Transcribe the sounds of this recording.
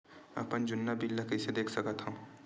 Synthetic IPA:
ɐ̰pənd͡ʒʊnːabilːakised̪eːkʰsəkət̪ɦəm

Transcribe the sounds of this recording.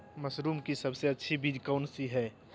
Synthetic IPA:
mɐsɾuːmkisɐbseɐtːʃʰibid̪ʱkaʊnsiɦɛː

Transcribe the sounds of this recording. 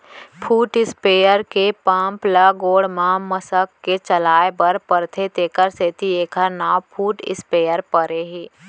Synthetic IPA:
pʰuːʈɪspeːjəɾkepãːmplaɡoːɽmãməsəkːet͡ʃəlaːebəɾpəɾt̪ʰet̪eːkəɾset̪ieːkʰəɾnaːwpʰuːʈɪ̰speːjəɾpəɾeɦiː

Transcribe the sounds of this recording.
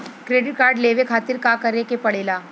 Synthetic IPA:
kɾeːɖɪʈ̚kaːɾɖleːʋekʰaːt̪ɪɾkaːkəɾekepɐɽeːlaː

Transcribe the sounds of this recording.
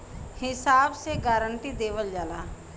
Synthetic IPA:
hɪsaːbseɡaːɾəɳʈid̪eːʋəld͡ʒaːlaː

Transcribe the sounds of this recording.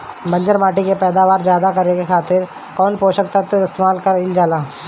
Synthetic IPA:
mɐ̃ɲd͡ʒəɾmaːʈikepɛːd̪aːʋaːɾd͡ʒjaːd̪akɐɾekekʰaːt̪ɪɾ | kɔːnpoːʃək̚t̪ət̪əɪst̪eːmaːlkɐɾɪld͡ʒaːlaː

